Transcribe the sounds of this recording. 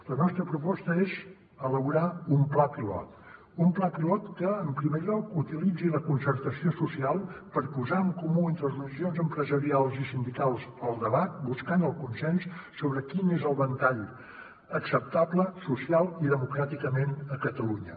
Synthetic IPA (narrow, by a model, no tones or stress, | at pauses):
lənɔst̪ɾəpɾupɔst̪əez | ələβuɾaumplapilɔ̰t̪ | umplapilɔt̪kəːmpɾimeʎɔkut̪ilid͡ziləkunsərt̪əsiosusialˠpəɾpuzaəŋkumuent̪ɾəzrəliʒionzəmpɾəzəɾialˠzisind̪ikalˠsəlˠd̪əβat̪̚buskanəlˠkunsɛnssoβɾəkinezəlˠβənt̪aʎ | əksəp̚t̪abləsusialˠiðəmukɾat̪ikəmenəkət̪əluɲə̰